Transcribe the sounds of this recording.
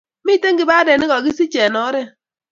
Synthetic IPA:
mi˦te˦ŋɡi˨ba˦dɛ˨nɪ˦kɔ˨ki˦si˦t͡ʃɛ˨nɔ˨˦ɾɛ˦˨

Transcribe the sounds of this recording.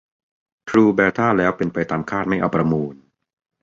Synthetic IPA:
t̪ʰɾuː˧bɛː˧t̪ʰaː˥˩lɛː˦˥wpe˧npa˧jt̪aː˧mkʰaː˥˩t̪̚ma˥˩jʔa˧wpɾa˧muː˧n

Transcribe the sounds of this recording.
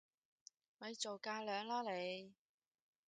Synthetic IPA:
wɐ˨˧jt͡so˨wkaː˧lœː˨˧ŋlaː˥le˨˧j

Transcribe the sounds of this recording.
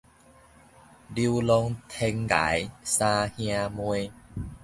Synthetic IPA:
li˧˦lɔ˧ŋt̪ʰe˧ŋɡa̰˨˦jsã˧hj̃ã˧mwe˧

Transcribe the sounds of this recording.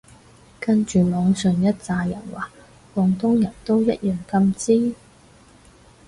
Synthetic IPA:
kɐ˥nt͡ʃyː˨mɔː˨˧ŋsɵ˨˧ŋjɐ˥t̚t͡saː˧jɐ˨˩nwaː˨˩ | kɔː˨˧ŋt̪ʊ˥ŋjɐ˨˩nt̪o˥wjɐ˥t̚jœː˨ŋkɐ˧mt͡siː˥

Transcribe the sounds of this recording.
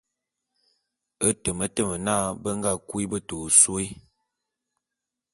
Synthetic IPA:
ə˦tə˨mə˦tə˦˨mə˨na˦˨bə˦ŋ˦ɡa˦˨kwi˦bə˦to˨so˦i˦

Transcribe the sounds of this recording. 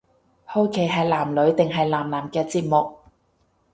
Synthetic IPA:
ho˥wkʰe˨˥jɦɐ˨jlaː˨˩mlɵ˨˥ɥt̪ɪ˨ŋɦɐ˨jlaː˨˩mlaː˨˩mkɛː˧t͡siː˧p̚mʊ˨k̚

